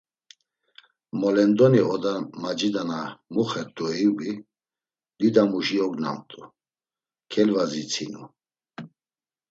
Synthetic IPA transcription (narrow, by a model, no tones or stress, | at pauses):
mɔlɛnd̪ɔniɔd̪amad͡ʒid̪anamuχɛɾt̪ʼuiwi | d̪̥id̪amuʒiɔɡna̰nt̪ʼu | kʰɛlvazit͡sʰinṵ